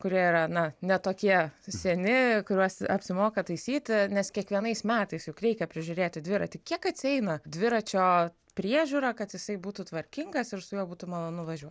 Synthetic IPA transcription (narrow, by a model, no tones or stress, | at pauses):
kʊɾʲiɛiːɾɐnɐnʲɛt̪oːkʲiɛsʲɛnʲɪkʊɾʲuɔsɐpʲsʲɪmoːkɐt̪ɐɪsʲiːt̪ʲɪnʲɛskʲiɛkʋʲiɛnɐɪsmʲæːt̪ɐɪsjʊkɾʲɛɪkʲɛpʲɾʲɪʒʲʊɾʲeːt̪ʲɪdʲʋʲɪɾɐt̪ʲɪkʲiɛkɐt̪ʲsʲɪɛɪnɐd̪ʲʋʲɪɾɐt͡ʃʲoː | pʲɾʲiɛʒʲuːɾɐkɐt̪jɪsɐɪbuːt̪ʊt̪ʋɐɾʲkʲɪŋɡɐsɪɾsʊjoːbuːt̪ʊmɐlˠoːnʊʋɐʒʲuɔt̪ʲ